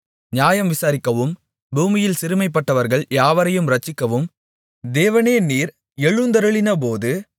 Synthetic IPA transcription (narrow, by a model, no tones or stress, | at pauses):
ɲaːjɐmʋɪsaːɾɪkːɐʋɯm | buːmɪjɪlsɪɾɯmɐɪp̬ːɐʈːɐʋɐɾɣɐɭjaːʋɐɾɐjɯmɾɐt͡ʃːɪkːɐʋɯm | d̪eːʋɐneːniːɾ | ɛɻɯnd̪ɐɾɯɭɪnɐp̬oːðɯ